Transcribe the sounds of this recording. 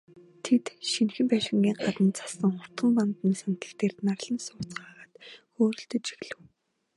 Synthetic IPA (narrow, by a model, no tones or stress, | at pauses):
t̪ʰet̪ʃinxɘ̆mpæːʃɪ̆ŋɡʲiːŋɢat̪ə̆nt͡sḁsə̆ŋχʊr̥t̪χə̆mpant̪niːsant̪ɮə̆ɮt̪eːrnarɮə̆nsʊːt͡sɢaːʁaːt̪xoːɾɵ̆ɬt̪ɵ̆t͡ɕi̥ɣɮɘ̆w